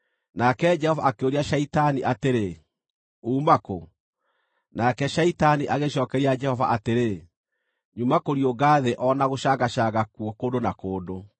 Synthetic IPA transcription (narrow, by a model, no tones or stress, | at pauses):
nakɛd͡ʒɛhɔvaakeoɾiaʃaitaniʔateɾe | uːmako̰ | nakɛʃaitaniʔaɣeɕɔkɛɾiad͡ʒɛhɔvaʔateɾe | ɲumakoɾioɡaːðeʔɔnaɣoʃaɣaɕaɣakuokondonakoːdo